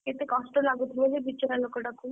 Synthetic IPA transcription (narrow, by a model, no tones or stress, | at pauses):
et̪ekɔsʈolaɡut̪ʰiled͡ʒebit͡ɕːɔɾalokoʈakʰu